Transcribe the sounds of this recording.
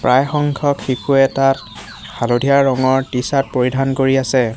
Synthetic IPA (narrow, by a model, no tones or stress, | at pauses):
pɹajxɔŋkʰɔkxikʰuɛtat | xʰalodʱijaɹɹɔŋɔɹtisat̚poɹidʱankoɹiasɛ